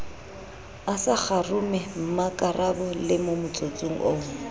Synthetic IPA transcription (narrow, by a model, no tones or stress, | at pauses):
asak͡xarʊmɛm̩makʼarabɔlɪmomʊt͡sʼot͡sʼuŋ̩ʔoː